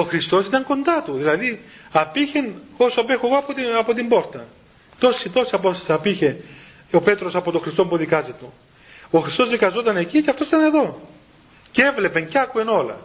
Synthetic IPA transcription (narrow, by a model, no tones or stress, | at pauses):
o̞xɾist̪o̞sit̪ɐŋko̞nd̪ɐt̪uðilɐðiɐpiçe̞nosoɐpe̞xoeɣo̞ɐpot̪ɐpo̞t̪̬imbo̞ɾt̪ɐ | t̪o̞sit̪o̞siɐpost̪ɐ̥sɐpiçe̞ | ope̞t̪ɾosɐpo̞t̪oxɾist̪o̞mpuðikɐzet̪o | o̞xɾist̪o̞zðikɐzot̪ɐne̞ciceɐft̪osit̪ɐne̞ðo̞ | ce̞vle̞pe̞ɲceɐkue̞no̞lɐ̰